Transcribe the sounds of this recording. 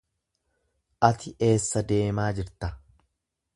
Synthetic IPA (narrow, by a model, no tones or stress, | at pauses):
ʔɐt̪ɪʔe̞ːsːɐd̪e̞ːmaːd͡ʒɪɾt̪ɐ